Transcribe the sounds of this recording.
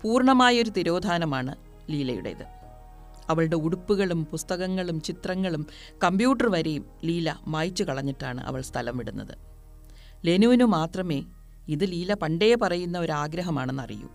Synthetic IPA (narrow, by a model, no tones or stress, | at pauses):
puːrɳɐmaːjɐo̞ɾut̪iɾo̞ːd̪ʱaːnɐmaːɳɨ | liːlɐ̰jṵɽḛḭðɨ̰ | ɐʋɐɭɽe̞uɽupːuɣɐɭumpust̪ɐɣɐŋːɐɭumt͡ɕit̪rɐŋːɐɭum | kɐmbjuːʈːɐrʋɐɾejum | liːlɐmaːjt͡ɕːukɐɭɐɲːiʈːaːɳɨ̰ʔɐ̰ʋɐɭst̪ʰɐlɐmʋiɽunːɐ̰ðɨ̰ | le̞nuʋnumaːt̪rɐme̞ː | iðɨliːlɐpɐɳɖejepɐrɐjunːɐo̞ɾaːɡɾɐɦɐmaːɳe̞nːɐ̰rḭjṵ